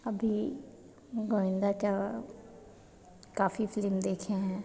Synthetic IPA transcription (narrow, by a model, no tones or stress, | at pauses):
əbʱiː | ɡoːɪ̃nd̪aːt͡ʃaː | kaːfiːfʰɪlɪmd̪eːkʰãːɦɛ̃ː